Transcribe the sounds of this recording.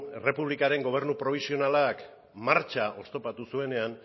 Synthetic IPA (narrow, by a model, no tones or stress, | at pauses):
ere̞puβlikaɾe̞ŋɡo̞β̞e̞ɾnupɾo̞β̞isio̞nalak | maɾt͡ʃaʔo̞st̪o̞pat̪usue̞ne̞an